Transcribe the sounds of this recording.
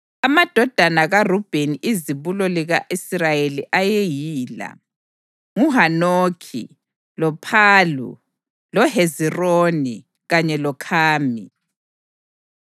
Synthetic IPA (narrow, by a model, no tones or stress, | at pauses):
amad̥ʱɔd̥ʱanaɣarub̥ʱeniʔiziβulɔliɣaʔisrajeliʔajejiːla̰ | ŋuɦanoːkʰḭ | lɔpʰaːlṵ | lɔɦezironi | ɣaɲɛlɔkʰaːmi